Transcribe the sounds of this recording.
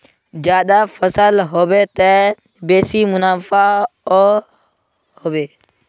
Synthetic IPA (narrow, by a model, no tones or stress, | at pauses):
d͡ʒjaːd̪afʰəsəlɦoːbet̪e | beːsimʊnaːfʰao | hoːbeː